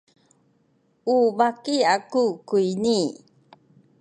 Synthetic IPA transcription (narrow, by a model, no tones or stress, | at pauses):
uvakiakukuini